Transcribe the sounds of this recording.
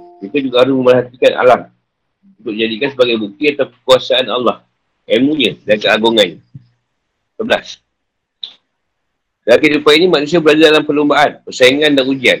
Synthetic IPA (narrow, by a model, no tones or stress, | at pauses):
it̪ad͡ʒuɡahaɾʊsməmərɦat̪ikanʔa̰lam | unt̪ʊk̚d͡ʒadikansəbaɡajbuk̚t̪iat̪awpəkuasaanalːɑh | ʔɛmũɲə̃dankəaɡoŋana | səbəla̰s | dəakasupajinimanusiabəɾad͡ʒadalampəlumbaʔanpərsaiŋãndanud͡ʒian